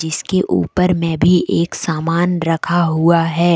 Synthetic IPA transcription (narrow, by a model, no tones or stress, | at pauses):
d͡ʒɪskeʔṵːpəɾmɛ̃bʱiʔeːksaːmaːnɾɐkʰaɦuaɦɛː